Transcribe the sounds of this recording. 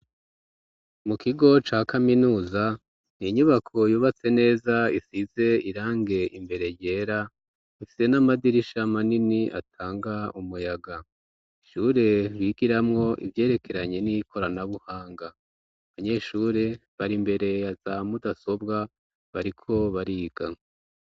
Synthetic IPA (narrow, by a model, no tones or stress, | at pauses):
mukiɡo̞t͡ʃaːkʰaminuːza | niɲuβakʰo̞juːβat͡se̞ne̞ːzaisize̞iɾaːŋɡe̞ʔimbe̞ɾe̞je̞ːɾa | ifi̥se̞namadiɾiʃamaniniʔa̰tʰaːŋɡaumujaɡa | iʃuːɾe̞βiɡiɾamŋo̞ʔḭvje̞ːɾe̞kʰe̞ɾaɲe̞nikʰo̞ɾanaβuhaːŋɡa | βaɲe̞ʃuːɾe̞βaɾimbe̞ɾe̞jazamudaso̞bɡa | βaɾikʰo̞βaɾiːɡ̥a